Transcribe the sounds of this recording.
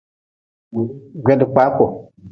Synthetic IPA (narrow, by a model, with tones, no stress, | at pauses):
ɡʷe˨˦ndə˨k͡pa˨˦ko˨